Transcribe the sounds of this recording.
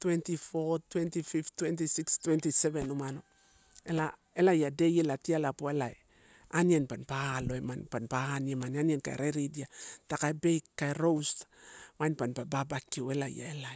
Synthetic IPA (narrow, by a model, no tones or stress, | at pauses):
twentifotwentififtwent̬isikstwentiseβenumano | ela | elajade̞jelatialapoelae | anienpanpaloemanpanpaːniemanianienka̰ḛɾeɾidiatakaebejkːaeɾo̞wsmajnpanpababakːiue̞laj̰a̰elaj